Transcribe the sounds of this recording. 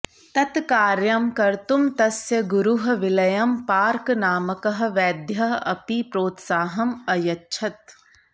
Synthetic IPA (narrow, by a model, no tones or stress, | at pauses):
t̪ɐt̪kaːɾjɐmkɐɾt̪umt̪ɐsjɐɡuɾuɦɐ̆ʋɪlɐjɐmpaːɾknaːmɐkɐɦɐ̆ʋɛːd̪jɐɦɐpipɾoːt̪saːɦɐmɐjɐtːʃʰɐt̪̚